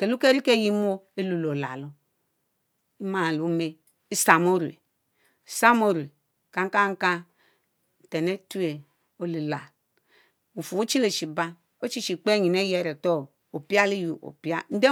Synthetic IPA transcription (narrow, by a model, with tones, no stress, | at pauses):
ke˨lu˦ke˦ɾi˦ke˦˨ji˦m˦o˦e˦lu˨lo˨la̰˨lo˦ | i˦ma˨lu˨˦me˦ | i˦sa˨mo˦ɾḛ˨ | sa˦mo˦ɾe˨ | ka˨ŋ˦ka˦ŋ˦ka˦˨ | te˨ne˦tu˦e˨ | o˦li˨la˨ | u˨fu˨o˦t͡ʃi˦le˨t͡ʃi˨ba˦ | o˦t͡ʃi˦t͡ʃi˨k͡pe˦ɲi˨ne˦je˦˨ɾe˨to˦˨ | o˨pi˦a˦li˦ju˨ʔo̰˨pi˦a˦n̩˦de˦